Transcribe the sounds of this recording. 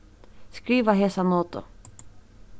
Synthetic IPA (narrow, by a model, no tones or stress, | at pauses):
skɾiːʋəɦeːsanoːt̪ʊ̰